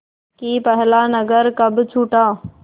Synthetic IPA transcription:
kiːpəɦlaːnəɡəɾkəbt͡ʃʰuːʈãː

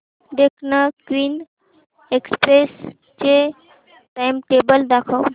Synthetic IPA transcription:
d̪ekʰnəkwiːn | ekspɾes | t͡ʃe | ʈajmʈebəld̪akʰəw

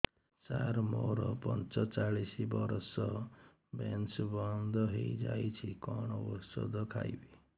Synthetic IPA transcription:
t͡ʃaɾmoɾɔpɔnt͡ʃɔt͡ʃaɭisibɔɾɔsɔ | bensbɔnd̪ʱɔɦejd͡ʒajt͡ʃʰikɔɽ̃ɔbɔsɔ̰d̪ɔkʰajbi

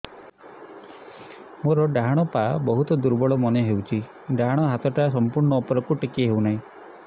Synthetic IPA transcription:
moɾɔɖaɦaɽ̃ɔpabɔɦut̪ɔd̪uɾbɔɭɔmɔneɦewt͡ʃʰi | ɖaɦaɽ̃ɔɦat̪ɔʈas̬ɔmpuɾɳɔːpɔɾɔkuʈikeɦewnaɦĩ

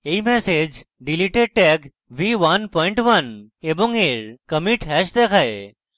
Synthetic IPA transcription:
eimɛsed͡ʒ | ɖiliʈeɖ̚ʈɛk | ʋiʋɐnpɔĩɳʈʋɐneboŋeɾkəmiʈɦɛʃd̪ekʰaje

